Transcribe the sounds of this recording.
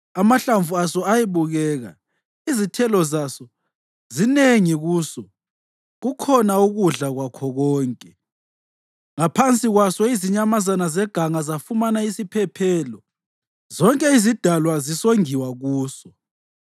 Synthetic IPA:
amaɬaɱvuasɔajiβuɣɛːɣa̰ | izitʰɛlɔzasɔ | zineŋiɣuːsɔ | ɣukʰɔnauɣuɮaɣwakʰɔɣɔːŋkʼɛ | ŋapʰant͡sʼiɣwasɔiziɲamazanazɛɡ̥ʱaŋazafumanaisipʰɛpʰɛlɔ | zɔŋkʼɛizid̥ʱalwazisoŋiwaɣuːsɔ

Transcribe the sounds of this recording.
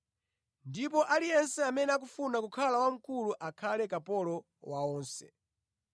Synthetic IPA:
ndipɔʔalijɛnsɛamɛnɛak̬ufunakukʰalawam̩kuluʔakʰalɛkapɔlɔ | waɔːnsɛ̰

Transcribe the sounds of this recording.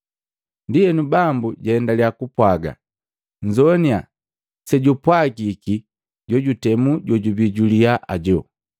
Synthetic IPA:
ndijɛnubambuɟahɛndaliakupwaɡa̰ | ɲd͡ʒɔnia | sɛɟupwaɡiki | ɟɔɟutɛmuɟɔɟubiɟuliaʔaɟɔ

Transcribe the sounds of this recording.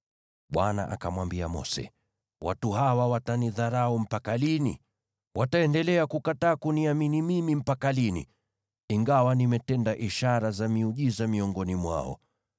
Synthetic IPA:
ɓwana̰ʔa̰kamwambiamɔ̰sɛ̰ | wa̰tuhawawataniðaɾaɔm̩pakalinḭ | wʔataɛndɛlɛakukataːkuniaminimimim̩pakalinḭ | iŋɡawanimɛtɛndaʔiʃaɾazamiuʄizamiɔŋɡɔnimwa̰ɔ̰

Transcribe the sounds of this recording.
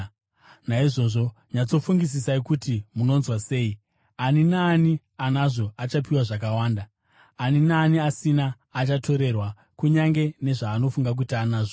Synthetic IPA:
naiʐo̞ʐo̞ | ɲat͡so̞fuŋɡis̬isaikutimuno̞nzwase̞ːi | aninaːni | anaʐo̞at͡ʃapiwaʐak̬awaːndaː | ninaːniasinaː | t͡ʃatʰo̞ɾe̞rwa | kuɲaŋɡe̞ne̞ʐaːno̞fuŋɡak̬uitaːnaːʐo

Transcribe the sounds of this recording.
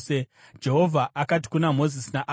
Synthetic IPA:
se | d͡ʒe̞ɦo̞vʱaʔakat̬i̥kunamo̞zisinaʔ

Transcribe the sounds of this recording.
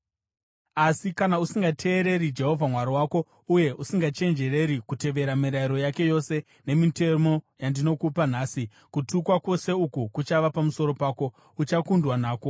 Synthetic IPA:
asikanausiŋɡatʰe̞ːɾe̞rid͡ʒe̞ɦo̞vʱamwaɾiwaːko̞ | uje̞ʔusiŋɡat͡ʃe̞nd͡ʒe̞re̞ɾikute̞ʋe̞ɾamiɾaiɾo̞jake̞jo̞se̞ | ne̞mite̞mo̞jandino̞kupan̤aːsi | kutukwakwo̞se̞ukukut͡ʃaʋapamuso̞ɾo̞paːko̞ | ut͡ʃakundwanaːko̞

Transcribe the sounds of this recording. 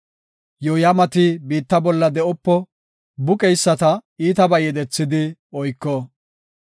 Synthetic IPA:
jɔjɐmɐt̪ibiːt̪ːɐbɔlːɐd̪ɛʔɔpːɔ | bʊkʼɛjsːɐt̪ɐiːt̪ɐbɐjɛd̪ɛt͡sːɪd̪ɪɔjkːɔː

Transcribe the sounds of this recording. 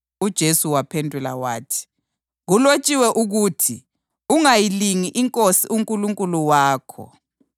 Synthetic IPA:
ud̥ʒ̥ʱesuwapʰendʱula̰waːtʰi̥ | ɣulot͡ʃʼiwɛʔuɣutʰi | uŋajiliŋiʔiŋkʼosiʔuŋkʼuluŋkʼuluwaːkʰɔ̰

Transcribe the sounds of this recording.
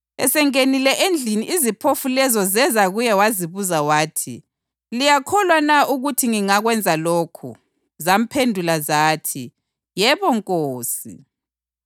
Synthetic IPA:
ɛ̰sɛŋenilɛʔend͡ɮʱiniʔizipʰofulɛzɔzɛzaɣujɛwaziβuzawaːtʰḭ | lijakʰɔlwanaʔuɣutʰiŋiŋaɣwɛnd͡zʱalokʰṵ | zam̩pʰendʱulazaːtʰi | jɛβɔŋkʼoːsḭ

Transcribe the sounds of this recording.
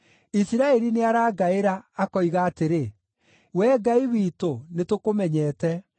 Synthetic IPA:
isiɾaɛɾineaɾaːɡaeɾaːkɔiɣaːteɾe | wɛːɡaiwiːtonetokomɛɲɛːtɛ

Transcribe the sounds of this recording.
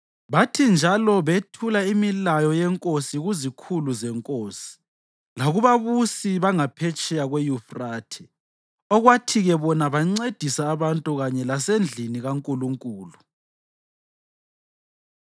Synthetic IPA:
βatʰind͡ʒʱalɔβetʰulaimilajɔjɛŋkʼosiɣuzikʰuluzɛŋkʼoːsi̥ | laɣuβaβusiβaŋapʰet͡ʃʼɛjaɣwejufraːtʰɛ̥ | ɔɣwatʰiɣɛβɔnaβaŋ͡ǀed̥ʱisaːβantʼuɣaɲɛlasend͡ɮʱiniɣaŋkʼuluŋkʼuːlu

